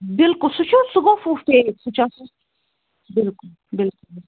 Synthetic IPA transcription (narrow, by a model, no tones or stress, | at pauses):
bɪlkʊlsʊt͡ʃʰusʊɡõfuft̪esʊt͡ʃasu | bɪlkʊl | bɪlkʊl